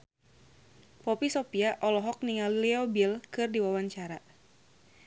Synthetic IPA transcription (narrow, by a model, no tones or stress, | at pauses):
pɔpisɔpiaʔɔlɔɦɔk̚niŋalliɔbilkɨrdiwawaɲt͡ʃaɾa